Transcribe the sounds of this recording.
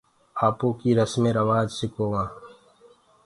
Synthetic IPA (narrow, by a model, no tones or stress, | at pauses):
aːpõːkiɾɐsmẽːɾɐwaːd͡ʒsɪkoːwãː